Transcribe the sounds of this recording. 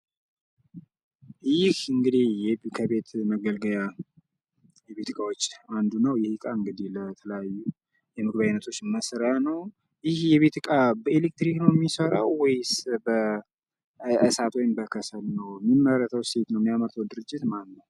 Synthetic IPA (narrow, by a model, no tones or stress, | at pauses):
jɪhɨŋɡɨd̪ihjɛkʰəβe̞t̪məɡəlɡəja | jɛβe̞t̪ɨkʼawot͡ʃːand̪unəwjɛhikʼaɨŋɡɨd̪ihlət̪ʰələjajːu | jɛmɨɡβajinːət̪ʰo̞t͡ʃːməsəɾəjanəw | jɪhjɛβe̞t̪ʰɨkʼabəelek̚t̪ɾiknəwmːisəɾa̰wwɔjsbə | əsat̪ʰwojnbəkʰəsəlnəwmːimːəɾət̪ʰəwse̞t̪nəwmijamət̪ʰəwd̪ɨɾɨd͡ʒːɪt̪manːə